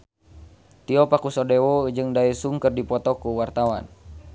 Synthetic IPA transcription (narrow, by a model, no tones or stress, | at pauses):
t̪iɔpakusɔdɛwɔd͡ʒɨŋdaisuŋkərdipɔt̪ɔkuwart̪awa̰n